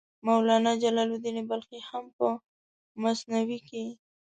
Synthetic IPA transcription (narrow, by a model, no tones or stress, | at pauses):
mawlɑnad͡ʒalɑlod̪inebalxehampə | masnawike